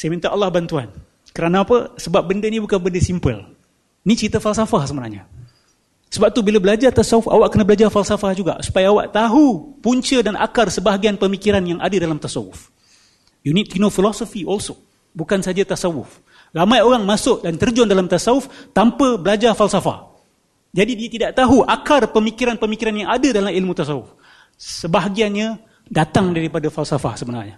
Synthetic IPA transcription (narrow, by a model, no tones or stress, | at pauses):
sajmint̪aʔɑlːahbant̪ua̰n | kəɾanãːpəsəbap̚bəndənibukanbəndəsimpə̰l | nit͡ʃɾit̪əfalsafahsəmənahɲa | səbap̚t̪ubilabəlad͡ʒart̪asawufa̰waʔ̚kənabəlad͡ʒarfalsafahd͡ʒuɡa̰ʔsu̥pajaːwa̰ʔt̪aɦupuɲt͡ʃədanʔa̰karsəbaɦaɡianpəmikiɾanjaŋʔa̰dədalamt̪asawʊ̰f | junit̪unofilɔsofiʔɔlso | bukansad͡ʒat̪asawʊf | ramãjoɾaŋmasʊʔdant̪ərd͡ʒɔndalamt̪asaʊft̪ampəbəlad͡ʒarfalsafa̰h | d͡ʒadidiət̪idaʔt̪aɦuʔakarpəmikiɾanpəmikiɾanjaŋadədalamilmut̪asawʊ̰f | səbaɦaɡianɲə̃ | dat̪aŋdaɾipadafalsafa̰hsəbənarɲa